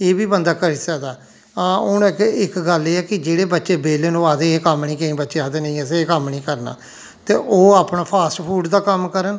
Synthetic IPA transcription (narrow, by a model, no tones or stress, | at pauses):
eːbiːbənd̪aːkəɾisəːd̪aː | ãːʊnkɪkɡəleːɛːkɪd͡ʒeːɽeːbətːʃeːbeːleːnõːaːd̪eːkəmnĩːkə̃ĩːbətːʃeːaːd̪eːnə̃ĩːəseːkəmnĩːkəɾna̰ː | t̪eːʔoːaːpnaːpʰaːsʈpʰuːɖd̪aːkəmkəɾən